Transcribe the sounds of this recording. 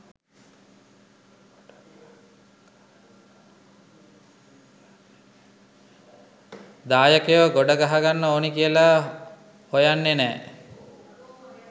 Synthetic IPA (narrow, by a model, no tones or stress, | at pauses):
d̪aːjəkejoɡoɖəɡaɦaɡanːəoːnikiəla | hojanːenɛː